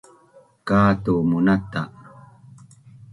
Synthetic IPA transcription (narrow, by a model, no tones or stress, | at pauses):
kaːt̪umunat̪a